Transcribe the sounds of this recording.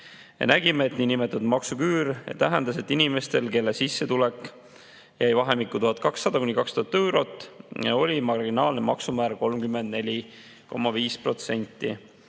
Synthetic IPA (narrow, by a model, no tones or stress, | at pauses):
jɑ̰næɡ̥imeːt̪ninimet̪ːˑud̪̥mɑksukyːɾjḛt̪æɦend̪ɑse̞t̪ːinime̞st̪e̞lke̞lːesisːe̞t̪ulekːˑ | jʔæjvɑɦe̞mikːut̪uhɑt̪̚ˑkɑksːɑd̪̥ɑkunʲːikɑkst̪uɑt̪ːewɾo̞t̪ːˑɑo̞lʲimɑɾɡinɑːlnemɑ̰ksumæːɾko̞lmkymːe̞nd̪̥̚ne̞lʲi | ko̞̰mːɑviːspro̞t̪se̞nʲt̪ːˑi